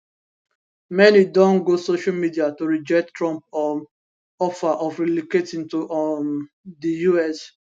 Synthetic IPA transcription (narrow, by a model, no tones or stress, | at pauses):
mɛnidɔ̃nɡosoʃalmidiatoɹid͡ʒɛk̚ttːɹɔ̃mpɔ | ɔfaʔɔfɹiliketĩŋtoʔ | dijuɛs